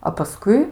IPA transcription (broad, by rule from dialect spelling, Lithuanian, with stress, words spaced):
ɐ pɐˈskʊɪ